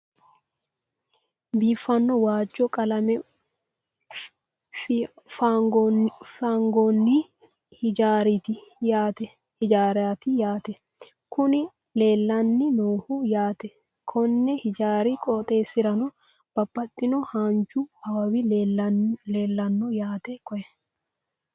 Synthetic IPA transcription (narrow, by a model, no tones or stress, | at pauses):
biːfɐnːɔwaːd͡ʒːɔkʼɐlɐmɛ | fɡfaːŋɡonːi | hɪd͡ʒaːɾit̪ɪjaːt̪ɛ | hɪd͡ʒaːɾaːt̪ɪjaːt̪ɛ | kʊnɪ | leːlːɐnːɪnoːhʊjaːt̪ɛ | kʰɔnːɛhɪd͡ʒaːɾikʼɔt̪ʼe̞ːsɪɾɐnɔ | b̥ɐbːɐt̪ʼːɪnɔhaːnt͡ʃuɐbɐwɪ | le̞ːlːɐnːɔjaːt̪ɛkɔʔɛ